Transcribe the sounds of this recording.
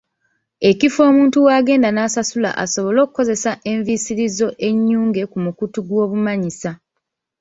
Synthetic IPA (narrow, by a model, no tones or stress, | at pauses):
e̞cifo̞ːmuːntuwaːɡe̞ːndanaːsasula̰ʔaso̞βo̞lo̞ːkukːo̞ze̞saʔe̞ɱvisiɾizo̞ʔe̞ɲːuːŋɡe̞kumukutuɡwo̞ːβumaɲisa